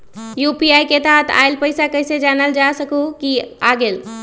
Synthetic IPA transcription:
jupiajket̪aɦt̪ʰa̰ɪlpəɪsakəjsed͡ʒanəld͡ʒasəkukiaɡel

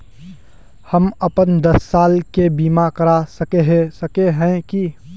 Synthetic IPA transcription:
hɐmɐpənd̪ɐsːaːlkebiːmakɐɾasəkeɦsəkeɦɛ̃ki

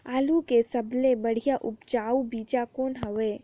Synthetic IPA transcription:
aːlukesɐblebɐɽ̤ijaʔʊpt͡ʃaːubiːt͡ʃakoːnɦɐʋeː

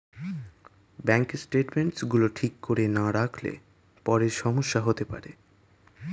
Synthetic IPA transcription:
bɛŋksʈeʈmeɳʈsɡuloʈʰikːoɾenaɾakʰlḛ | pɔɾeɾʃɔmoʃːaɦot̪epa̰ɾe

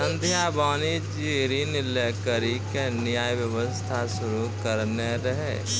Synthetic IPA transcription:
ə̃nd̪ʱjãbaːnid͡ʒiɾinɪlekəɾikenɪjaːjʋjəʋəst̪ʰasʊɾukəɾneɾəɦḛ

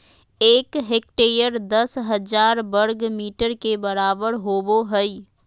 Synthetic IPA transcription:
eːkɦek̚ʈeːɾijəɾd̪əsɦəd͡ʒaːɾbəɾɡmiːʈəɾkebəɾaːbəɾɦoːboɦəi

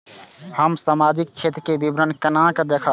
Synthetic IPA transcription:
həmsamad͡ʒikt͡ʃʰet̪ɾəkebibɾənkənãkəd̪ekʰə

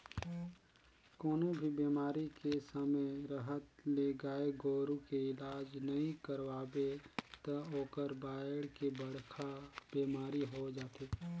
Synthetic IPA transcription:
koːnobʱibeːmaːɾikesəməjɾəɦət̪leɡaːeɡoːɾukeɪlaːd͡ʒnɐɦĩkəɾʋaːbet̪əoːkəɾbaːjəɽkebəɽkʰab̥eːmaːɾiɦod͡ʒaːt̪eː

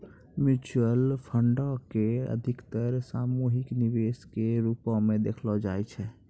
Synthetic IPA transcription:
mut͡ʃuəlpʰəɳɖɔkeə̰d̪ʱikt̪əɾsamuɦikniʋeskeɾupɔ̃mẽd̪ekʰlɔd͡ʒajt͡ʃʰɛ

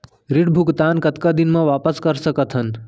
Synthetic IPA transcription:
ɾiɽbʱʊɡt̪aːnkət̪kad̪inmãʋaːpəskəɾsəkət̪ʰɦən

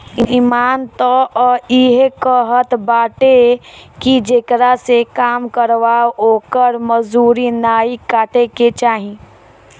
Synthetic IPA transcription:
iimaːnt̪ɔɔːɾiɦekəɦət̪baːʈekid͡ʒeːkɾasekaːmkəɾʋaoːkəɾməzuːɾinaːikaːʈeket͡ʃaːɦĩː

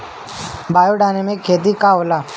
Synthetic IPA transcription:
baːjoːɖaːnemẽːkʰeːt̪̬iːkaːɦoːlaː

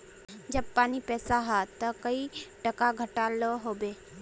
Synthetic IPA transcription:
d͡ʒɐb̚paːnipɛːsaɦɛt̪ɔkəiʈɐkaɡʱəʈaloɦoːbeː

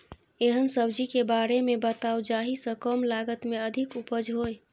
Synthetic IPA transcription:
eɦənsəbd͡ʒikebaɾemebət̪aud͡ʒaɦisə̃kəmlaɡət̪meəd̪ʱikupəd͡ʒɦoj

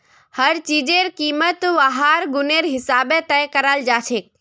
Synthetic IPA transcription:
həɾt͡ʃid͡ʒeɾkiːmət̪ʋaɦaɾɡʊneɾɦɪsaːbet̪əjkəɾəld͡ʒaːt͡ʃʰek̚

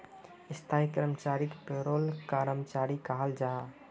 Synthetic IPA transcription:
ist̪ʰaikɾəmt͡ʃaɾikpeɾolkaɾəmt͡ʃaɾikaɦəld͡ʒa

